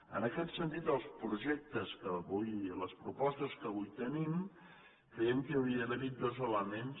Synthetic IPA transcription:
ə̰nəkɛt̪sənt̪̬it̪əlˠspɾuʒɛk̚t̪əskəβujləspɾupɔst̪əskəβujt̪ənim | kɾɛjɛmkəəwɾiəðəβit̪̚d̪ozələmens

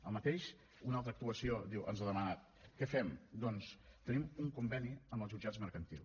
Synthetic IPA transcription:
əlˠmət̪eʃ | unalˠt̪ɾək̚t̪uəsiod̪iwʔə̰nzəðəmənat̪ | kɛfɛmd̪ɔnst̪ənimuŋkumbɛniəmbəlˠzʒud͡ʒad͡zməɾkənt̪ilˠ

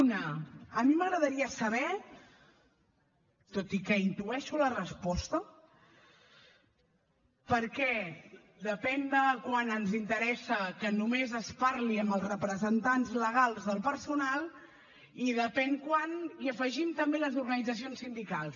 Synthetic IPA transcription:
nəəmiməɣɾəðəɾiəsəβɛ | t̪ot̪ikəint̪uɛʃulərəspɔst̪ə | pəɾkɛ | d̪əpɛnd̪əkwanənzint̪əɾɛsəkənumezəspaɾliəmbəlˠsrəpɾəzənt̪anzləɣ̞alˠzðəlˠpəɾsunal | iðəpɛŋkwaniəfəʒimt̪əmbeləzuɾɣənid͡zəs̬ionsːind̪ikalˠs

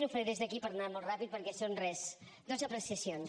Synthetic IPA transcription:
nufɾiɾezðəkipəɾnamolˠt̪rapit̪̚pəɾkɛsonrɛs | d̪ozəpɾəsiəsions

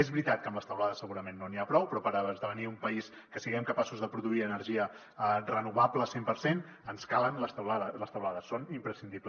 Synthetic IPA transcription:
ezβɾit̪at̪̚kəmləst̪əwlaðəsːəɣuɾəmenːoniapɾɔwpɾɔpəɾəβəzðəβəniumpəis | kəsiɣɛmkəpasuzðəpɾuðuiənəɾʒiə | rənuβapləsempəɾsen | ənskalˠənləst̪əwlaðələst̪əwlaðəsːonimpɾəsind̪iblə

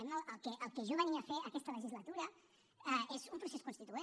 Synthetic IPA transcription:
ɛmnəəlˠkeʔəlˠkeʒoβəniafeəkɛst̪ɐləʒizlat̪uɾɐ | ezumpɾuseskunst̪it̪ue

